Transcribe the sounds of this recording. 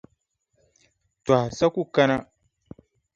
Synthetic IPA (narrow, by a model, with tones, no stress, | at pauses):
twa˨sa˦ku˦ka˦na˦